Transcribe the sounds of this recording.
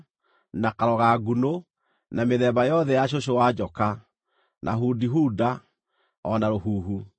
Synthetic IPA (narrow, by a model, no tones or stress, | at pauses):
nakaɾɔɣaɡuno | nameðɛbajɔðɛjaɕ̬oɕ̬owad͡ʑɔka | nʔa̰ɦuːdiɦuːda | ɔnaɾohuːɦu